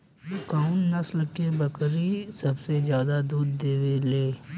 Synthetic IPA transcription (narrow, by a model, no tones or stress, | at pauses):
kaʊnnəsləkeːbəkɾiːsəbseːzjaːd̪aːd̪uːɾd̪eːʋeːleː